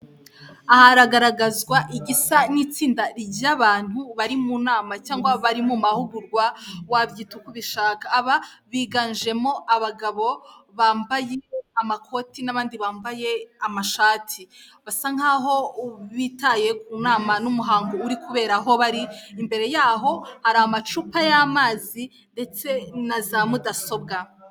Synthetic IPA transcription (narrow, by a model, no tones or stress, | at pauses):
ahaɾaɡaɾaɡazɡwaʔiɡisaniːt͡siːndaɾiaβaːn̥huβaɾimunaːmacaːŋɡwaβaɾimumahuɡuɾɡwawaβjiːtukuβiʃaːkaːβaβiːɡand͡ʒe̞mo̞ʔaβaɡaβo̞βaːmbaje̞amakʰo̞tinaβaːndiβaːmbaje̞amaʃaːtʰiβasaŋ̥aːɦo̞βitaje̞kuːnaːmanumuɦaːŋɡoːɾikuβe̞ːɾaɦo̞βaɾiːmbe̞ɾe̞jaːɦo̞haɾaamat͡ʃupajamaːzi | nde̞t͡se̞nazamudaso̞b̚ɡa